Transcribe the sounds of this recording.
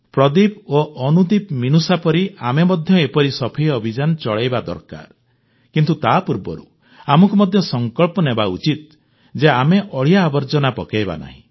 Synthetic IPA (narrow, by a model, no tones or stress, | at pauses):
pɾɔd̪ipoʔɔnud̪ipminusapɔɾiamemɔd̪ʱjɔepɔɾisɔpʰiɔbʱid͡ʒanɔt͡ʃɔɭejbad̪ɔ̰ɾka̰ɾ | kint̪ut̪apuɾbɔ̰ɾṵ | amɔŋkumɔd̪ʱjɔsɔŋkɔɭpɔnebaṵt͡ʃit̪̚ | d͡ʒeameʔɔɭijaːbɔɾd͡ʒɔnapɔkejba̰na̰ɦḭ̃